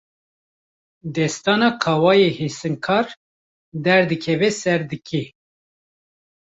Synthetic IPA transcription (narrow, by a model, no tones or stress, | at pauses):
d̪ɛst̪ɑːnɑːkʰɑwɑːjehesɨŋkʰɑːɾ | d̪ɛɾd̪ɨkʰɛvɛsɛɾd̪ɨkʰe